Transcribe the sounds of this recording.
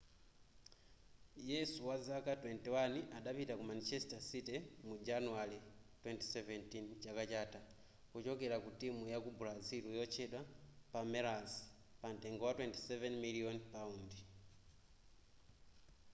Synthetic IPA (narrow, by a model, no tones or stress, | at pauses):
jɛsuwazakatwentiwaniʔaɗapitakumanit͡ʃesi̥tasitemud͡ʒanuwalitwenti̥seventint͡ʃakat͡ʃata | kut͡ʃokelakutimujakubulaziɾujot͡ʃeɗwapameɾazi̥ | panteŋɡowatwenti̥sevenmilionpaundi